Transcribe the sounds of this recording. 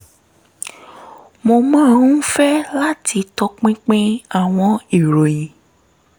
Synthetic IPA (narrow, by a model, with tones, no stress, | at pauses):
mo˧mãː˦fɛ˦la˦tʰi˧˦tɔ˧k͡pĩ˦k͡pẽ˦a˦˨w̃ɔ̃˧i˨ɾo˨jĩ˨